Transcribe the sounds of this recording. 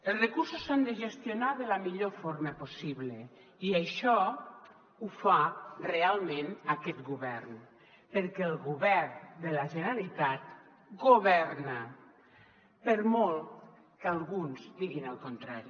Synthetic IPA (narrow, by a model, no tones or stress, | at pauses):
elˠsrekuɾsusand̪eʒest̪jonaðelamiʎofoɾməposiβle | iaʃɔ | ufarealˠmẽnakɛt̪ɡuβɛɾn | peɾkɛːlˠɣuβɛɾnd̪elaʒenalit̪at̪̚ | ɡoβɛɾna | peɾmolˠt̪ | kalˠɣunzd̪iɣinalˠkont̪ɾaɾi